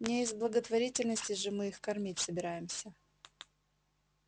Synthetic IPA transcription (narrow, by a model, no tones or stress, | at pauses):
nʲejɪzblˠəɡət̪vɐɾʲitʲɪlʲnəsʲtʲɪʐɨmɨixkɐrmʲitʲsəbʲɪɾajɪmsʲə